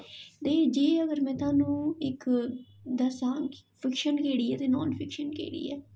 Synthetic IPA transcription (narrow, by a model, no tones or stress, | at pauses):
t̪eːd͡ʒeːəɡəɾmɛ̃ːt̪ʊaːnũːɪk | d̪əsaːpʰɪkʃənkeːɽiːɛːt̪eːnɔːnpʰɪkʃənkḛːɽḭːɛ̰ː